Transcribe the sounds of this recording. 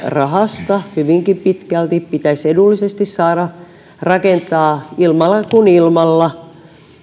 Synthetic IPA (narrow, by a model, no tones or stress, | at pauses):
rɑhɑst̪ɑhyʋiŋkipit̪kælt̪ippit̪æsedulːisest̪issɑːɾɑ | rɑkent̪ɑːilmɑlːɑkunilmɑlːɑ